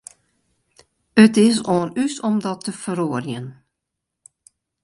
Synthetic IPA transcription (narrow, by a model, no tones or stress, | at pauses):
ətɪs̬oːnysɔmdɔtʰːəfəɾoːərjən